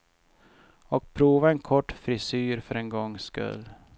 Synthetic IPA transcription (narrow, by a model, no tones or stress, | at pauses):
ɔk̚pʰɾuːvaɛnkʰɔʈːfɾɪsyːɾfœɾɛnɡɔŋːskɵ̰lː